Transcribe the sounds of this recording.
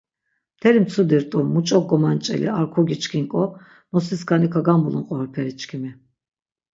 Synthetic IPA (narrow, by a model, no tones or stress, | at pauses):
t̪ʰɛɾimt͡s̪ʰud̪iɾt̪ʼumut͡ʃʼɔɡ̚ɔmant͡ʃʼɛ̰lḭaɾkʰɔɡit͡ʃkʰiŋkʼɔ | mɔsiskʰanikʰaɡambulunqʼɔɦɔɾpʰɛɾit͡ʃkʰimi